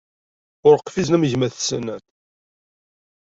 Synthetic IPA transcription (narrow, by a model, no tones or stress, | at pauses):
ʊɾqfiznæmʝmæθsənːæt̪